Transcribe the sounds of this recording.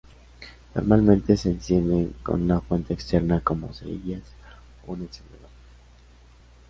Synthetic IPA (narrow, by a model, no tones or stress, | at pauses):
no̞̰ɾmalmẽ̞nt̪e̞se̞ːnsje̞nd̪e̞ŋko̰nunafwe̞nt̪eːkst̪e̞ɾnako̞mo̞̰seiʝas | ouneksend̪eðoɾ